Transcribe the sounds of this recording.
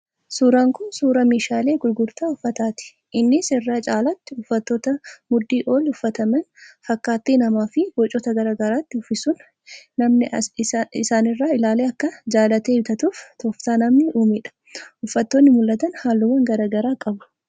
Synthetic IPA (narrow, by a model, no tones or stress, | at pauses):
suːɾaːŋkʊnsuːɾɐmeːʃaːle̞ːɡʊɾɡʊɾt̪aːʊfːɐt̪aːt̪ɪ̥ | ʔɪnːɪsɪrːaːt͡ʃʼaːlɐt̪ːɪʊfːɐt̪ːoːt̪ɐmʊd̪ːiːʔo̞ːlʊfːɐt̪ɐmɛnfɐkːaːt̪ːiːnɐmaːfɪɡɔt͡ʃʼɔt̪ɐɡɐɾaːɡɐɾaːt̪ːɪʊfːɪsʊnː | ɐmnɪ | ɪsaːnɪrːaːɪlaːleːɐkːɐd͡ʒaːlɐt̪ebɪt̪ɐt̪uːft̪ɔːft̪aːnɐmnɪuːmɪᶑɐ̥ | ʔʊfːɐt̪ːoːnːɪmʊlːɐt̪ɐnhaːlːʊmɐŋɡɐɾaːɡɐɾaːkʼɐbɐ̥